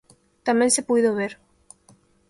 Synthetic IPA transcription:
t̪amẽŋnsepujðoβeɾ

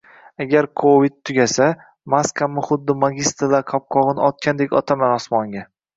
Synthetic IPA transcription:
aɡʲaɾkʰovid̪̚t̪ʰːʊɡʲasa | maskʰamːɪχʊd̪ːɪmaɡʲist̪ɾlaɾqʰɒp̚qʰɒʁɨnɒt̪̚kʲand̪e̞kʲɒ̰t̪ʰamanɒsmɒŋɡʲa

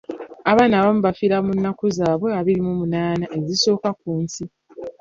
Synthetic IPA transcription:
aβaːnaːβamuβafiɾamunːakuzaːβweaβiɾimumunaːnaʔe̞ziso̞ːkak̚uːnsi

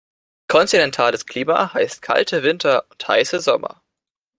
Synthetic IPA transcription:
kʰɔntinɛntʰaːləskʰl̥iːma̰haɪst̚kʰa̰ltʰəvɪntʰɐʊntha̰ɪsəzɔmɐ̰

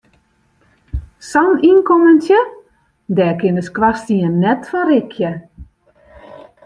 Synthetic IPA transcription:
sɔninkoməntjə | dɛːkɪnəskwastiənːɛtfɔɾɪkʰjə

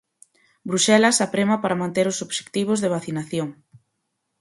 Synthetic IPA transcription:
bɾuʃɛlɐsapɾemɐpaɾɐmãnt̪eɾʊsoβʃe̥kt̪iβ̞ʊzðeβ̞aθinaθjoŋ

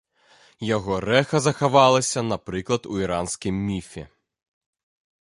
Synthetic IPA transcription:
jaɣɔrɛxɐzɐxavalˠɐsʲɐnapɾɨklˠɐt̪uiɾansʲkʲimːʲifʲɛ̰

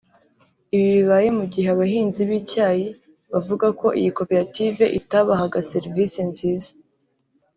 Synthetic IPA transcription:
iβiβiβaːje̞muɟiheaβaɦiːnziβiːcaːji | βavuɡako̞ʔḭjiko̞peɾative̞ʔitaβaɦaɡase̞ɾvisenziːzḁ

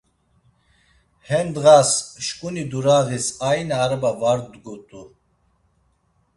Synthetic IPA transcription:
hɛnd̪ʁasʃkʼunid̪uɾaɣisajnaːɾbavaɾd̪ɡut̪ʼu

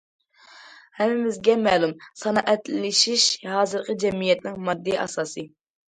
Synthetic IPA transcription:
hɛmɪmɪzɡʲɛmɛlˠumsɑnɑʔɛt̪lɪlɪʃiʃhɑːzɨɾqʰəd͡ʒɛmijɛt̪nɪŋmɑd̪ːijʔɑ̰sɑːsɨ

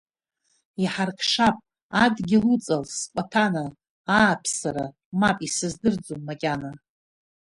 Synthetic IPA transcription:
iħarkʰʂapʼ | adɡʲɪlut͡sʼalspʼapʰanaː | pʰsaɾa | mapʼisɨzdɨrd͡zomːakʲʼana

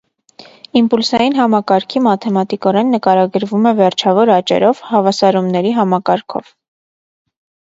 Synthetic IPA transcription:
impulsɑjinɦɑmɑkɑɾkʰimɑt̪ʰɛmɑt̪ikɔɾɛnːəkɑɾɑɡəɾvumɛvɛɾt͡ʃʰɑvɔɾɑt͡ʃɛ̰ɾɔvhɑvɑsɑɾumnɛɾiɦɑmɑkɑɾkʰɔ̰v̥

